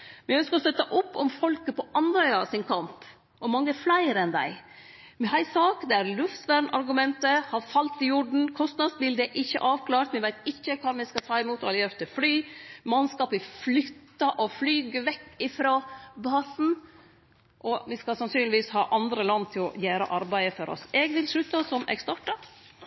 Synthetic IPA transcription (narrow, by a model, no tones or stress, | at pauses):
mɪœnskəɾɔst̪œt̪ːəʔʊpːɔmfɔlkəpʰɔʔɑnːœʏɑsɪnkʰɑmp | ɔmɑŋːəɛflæɪɾəɛnd̪æ̰ɪ | mɦæɪsɑːkd̪ɛæɾlʉft̪ʋæːɳɑ̰ɾɡʉmɛnt̪əhɑɾfɑlt̪ɪjʊɖɳ̩kʰɔst̪nɑːd̪sbɪld̪ɛʔɪçːə̰ʔɑːʋkʰlɑːɾt̪mɪʋæɪt̪ɪçːəkʰɑːɾmɛskɑt̪ʰɑːɪmuːt̪ɔɑɾɪœɾt̪ʰɪflyːmɑnskɑːpɪflʏt̪ːɑʔɔflyːɡəʋɛkːɪfɾoːbɑːsn̩ | ʔɔʋɪskɑsɑnsyːnlɪʋiːshɑ̰ːʔɑnd̪ɾəlɑnːt̪ʰɪlɔ̰jæːɾə̰ʔɑɾbæɪəfɔɾɔ̰sɛɡʋɪlʂɭʉt̪əsɔmɛ̰ɡst̪ɑʈːɑ